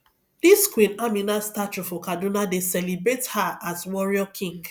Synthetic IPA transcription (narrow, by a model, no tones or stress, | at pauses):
d̥iskwĩnamĩnastat͡ʃufɔkadũnadesɛlibɹethaaswɔɹiɔkʰĩŋɡ